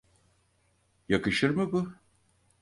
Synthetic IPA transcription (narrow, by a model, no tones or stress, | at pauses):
jakɯʃɯɾmɯbʊ